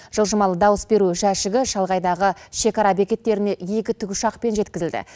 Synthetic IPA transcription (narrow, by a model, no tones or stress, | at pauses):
ʒ̥əlˠʒəmɑlˠəd̪ɑwəsbe̞ɾuʒæʃɪɡʲɪʃɑlˠʁɑjd̪ɑʁəʃe̞kɑɾɑbe̞kʲe̞t̪ːe̞ɾɪne̞je̞kʲɪt̪ʰʏɡʲʊʃɑqpe̞nʒe̞t̪̚kʲɪzɪld̪ɪ̰